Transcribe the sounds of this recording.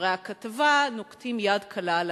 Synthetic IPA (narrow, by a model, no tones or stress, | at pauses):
ʁeakat̪avanokt̪imjad̪kʰalal